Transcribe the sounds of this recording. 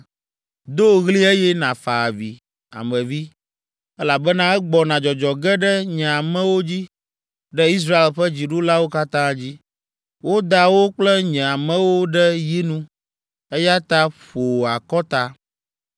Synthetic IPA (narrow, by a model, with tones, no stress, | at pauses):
d̪o˦˨ɣli˦ɛ˦jɛ˦nã˨fa˨vi˨ | a̰˨mɛ̃˨vi˦ | ɛ˦la˨bɛ˦nã˦ɛ˦ɡ͡bɔ˨nã˨d͡ʒɔ˨d͡ʒɔ˨ɡɛ˦ɖɛ˦ɲɛ̃˨a˨mɛ̃˦wo˦d͡ʑi˦ | ɖɛ˦i˦s̬ɾa˦e˨lɸɛ˦d͡ʑi˨ɖo˦la˦wo˦ka˦t̪ã˦d͡ʑi˦ | wo˦d̪a˨wo˦k͡plɛ˦ɲɛ̃˨a˨mɛ̃˦wo˦ɖɛ˦ji˦nũ˦ | ɛ˦ja˦t̪a˦ɸo˨a˨kɔ˦t̪a˦